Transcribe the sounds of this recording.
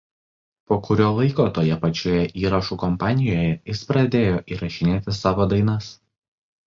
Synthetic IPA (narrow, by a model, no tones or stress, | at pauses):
poːkʊɾʲoːlˠɐɪkoːt̪oːjɛpɐt͡ʃʲoːjɛʔiːɾɐʃuːkɔmpɑːnʲɪjoːjɛjɪspɾɐd̪ʲeːjoːʔiːɾɐʃʲɪnʲeːt̪ʲɪsɑːʋoːd̪ɐɪnɐs